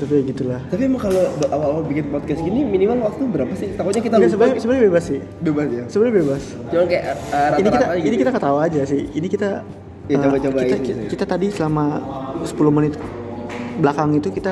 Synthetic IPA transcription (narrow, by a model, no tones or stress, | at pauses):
t̪apiaɡit̪ulaht̪apimakalobʔawawalbikɪnpɔt̪̚kɛsɡiniminimalwak̚t̪ubəɾapasɪht̪akut̪ɲakit̪aasəbənsəbənɲbebasːɪh | bebasjasəbənɲbebas | t͡ʃumankajaəɾainikit̪aakinikit̪akət̪auad͡ʒasɪhinikit̪a | jaət͡ʃabat͡ʃabaiaikit̪at̪adisəlamasə̥pulʊhmənɪt̪̚ | bəlakaŋit̪ukit̪a